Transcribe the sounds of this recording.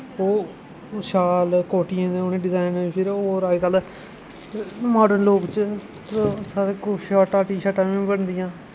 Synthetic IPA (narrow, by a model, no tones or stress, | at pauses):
oː | ʃaːlkoːʈɪjãːeonẽːɖɪzaːɪnːpʰɪɾoːɾaːiːk̪əl | maːɖəɾnloːkt͡ʃ | saːɾeːkʊʃaːʈaːʈiːʃaːʈãːĩːbəɳd̪ɪjãː